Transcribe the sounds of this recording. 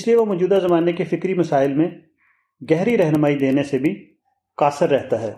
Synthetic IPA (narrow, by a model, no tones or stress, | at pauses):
ɪslieʋomɔːd͡ʒuːd̪azɐmaːnekefɪkɾimɐsaːɪlmẽ | ɡɛɦɾiɾɛɦnmaːid̪eːnesebʱi | kaːsəɾːɛɦt̪aɦɛː